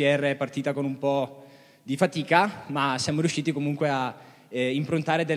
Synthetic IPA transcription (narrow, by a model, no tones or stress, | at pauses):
iɛrːeɛpːart̪iːt̪akonumpɔ | d̪ifat̪iːkamasːjaːmoɾjuʃːiːt̪ikomuŋkwea | impɾont̪aːɾed̪e